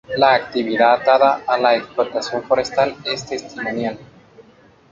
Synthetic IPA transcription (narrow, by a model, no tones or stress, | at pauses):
laːkt̪iβiðat̪aðaːlːaeksplot̪asjonfoɾe̞st̪alest̪e̞st̪imo̞njal